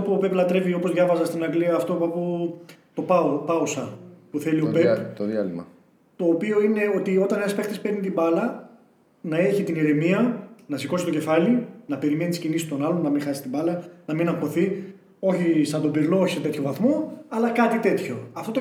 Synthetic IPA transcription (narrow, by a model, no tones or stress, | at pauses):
opuope̞plɐt̪ɾe̞vio̞po̞zðʝɐvɐzɐst̪inɐɡliɐːft̪o̞pɐput̪o̞pɐpɐusɐpuθeliobept̪ðiɐ̰limɐ | t̪o̞ːpio̞ine̞o̞t̪io̞t̪ɐnenɐspe̞xt̪ispeɾnit̪ibɐlɐ | nɐe̞çit̪iniɾemiɐnɐsiko̞si̥t̪oce̞fɐlinɐpe̞ɾime̞niscinist̪o̞nɐlo̞nːɐmixɐsist̪imbɐlɐnɐminɐpo̞θi | o̞çisɐnd̪obeɾlooçiset̪et̪ço̞vɐθmo̞ɐlɐkɐt̪it̪e̞t̪ço̞ɐft̪o̞t̪o